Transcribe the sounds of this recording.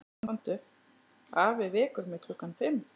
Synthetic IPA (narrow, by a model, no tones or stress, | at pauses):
ant̪ʏ | aːvɪvɪːkʏɾmɪt̪ʰʏhkanfɪm